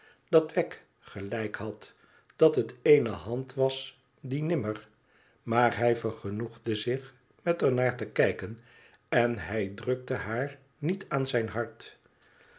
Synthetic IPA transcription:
d̥ɑtʋɛk | χəlɛjkhɑt | d̥ɑtɦətejnəɦɑntʋɑs | dinɪməɹ | maːɹɦɛjvəɹχənuχdəzɪχ | mɛtəɹnaːɹtəkɛjkən | ɛnɦɛjdrɵk̚təɦaːɹ | nitʰaːnzɛjnɦɑɹt

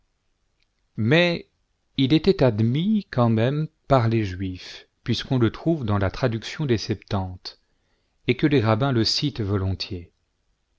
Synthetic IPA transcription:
mɛ | ilet̪ɛt̪ad̪mikɑ̃mɛmpaʁleʒɥifpɥiskɔ̃lət̪χuvd̪ɑ̃lat̪χad̪yksjɔ̃d̪esɛpt̪ɑ̃t̪ | ekəleʁabɛ̃ləsit̪vɔlɔ̃t̪je

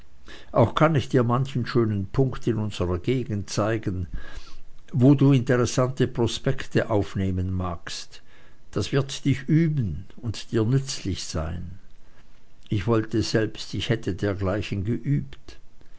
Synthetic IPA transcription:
ʔaʊxkʰanɪçd̥iːɐmançn̩ʃøːnənpʰʊŋktɪnʊnz̥əʁɐɡeːɡn̩tt͡saɪɡən̩ | voːduːɪntəʁɛsantəpʁ̥ospɛktʰəʔaʊfneːmənmaːkst | d̥asv̥ɪɐtd̥ɪçyːbən̩ʊntd̥iːɐnʏt͡slɪçz̥aɪn | ɪçv̥ɔltəz̥ɛlpstɪçhɛtʰədeːɐɡlaɪçən̩ɡəʔyːpt

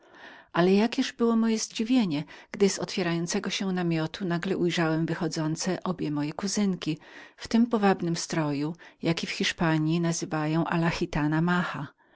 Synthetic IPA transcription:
ʔalɛjakʲɛʐbɘwɔmɔjɛzd͡ʑivʲjeɲɛɡ̥d̪ɘzɔ̰t̪fʲjɛɾajɔnt̪sɛɡɔɕɛnamʲjɔt̪unaɡlɛʔujʐawɛmvɘxɔd̪zɔnt̪sɛʔɔbʲjɛmɔjɛkuzɘŋkʲift̪ɘmpɔvabnɘmst̪ɾɔjujakʲifxʲiʂpaɲjinazɘvajɔ̃w̃ʔa̰laxʲit̪anamaxa

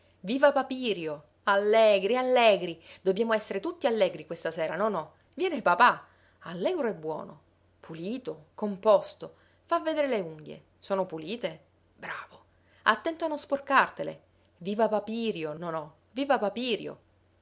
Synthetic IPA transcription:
viːvapapiːɾjo | alːɛɡɾialːɛːɡɾid̪obːjaːmoɛsːeɾet̪ut̪ːialːɛːɡɾikwest̪asɛːɾanonɔ | vjɛːnepapa | alːɛɡɾoɛbːwɔ̰ːno̰ | pʰuliːt̪okompɔst̪o | favːed̪eːɾeleuŋɡjḛ | soːnopuliːt̪e | bɾaːvo | at̪ːɛnt̪oanːosporkart̪elḛ | viːvapapiːɾjononɔ | viːvapapiːɾjo̰

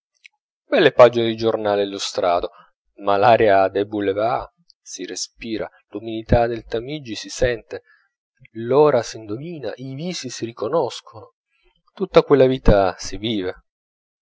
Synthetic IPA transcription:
bɛlːepad͡ʒined̪id͡ʒornaːlelːost̪ɾaːd̪o | malaːɾjad̪ɛbuleva | sirespiːɾa̰ | lumilit̪ad̪elt̪amid͡ʒːisisɛnt̪e | lɔːɾasind̪omiːna̰ʔiviːsisirikonɔskʰono | t̪ut̪ːakwelːaviːt̪asiviːve

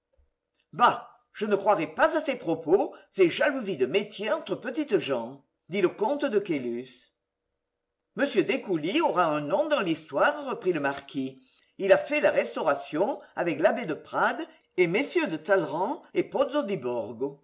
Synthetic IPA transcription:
ba | ʒ̥ənəkχwaʁɛpazasepχɔposeʒaluzid̪əmet̪jeɑ̃t̪χəpət̪it̪əʒɑ̃ | d̪iləkɔ̃t̪əd̪əkelys | məsjød̪ekulioʁaɛ̃nɔ̃d̪ɑ̃list̪waʁʁəpχiləmaʁki | ilafɛlaʁɛst̪ɔʁasjɔ̃avɛklabed̪əpχad̪ | emesjød̪ət̪alʁɑ̃epɔt̪zod̪ibɔʁɡo

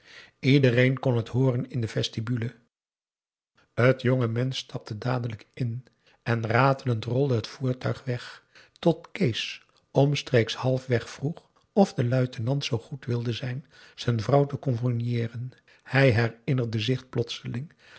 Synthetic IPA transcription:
idərejnkɔnɦətɦʊːrənɪndəvɛstibylə | ɦətjoŋəmɛnstɑp̚tədaːdələkɪn | ɛnraːtələntrɔlˠdəɦətfuːɹtœɥχʋɛχtɔtkejs | ɔmstrejkshɑlˠfʋɛχfruχ | ɔfdəlœɥtənɑntsowχutʋɪlˠdəzɛjn | z̥ɛjnvrʌwtəkɔnfɔnjɪːrən | hɛjɦɛrɪnəɹdəzɪχplɔtsəlɪŋ

